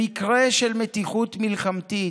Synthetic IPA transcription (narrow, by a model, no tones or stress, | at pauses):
ikʁeʃelmet̪iχut̪milχamt̪i